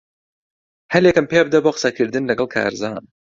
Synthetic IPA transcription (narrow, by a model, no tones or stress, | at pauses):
hɐljekɨmpeb̚d̪ɐboːqɨ̥sɐkʰɨɾd̪ɨnlɐɡɐlˠkʰa̰ːɾzaːn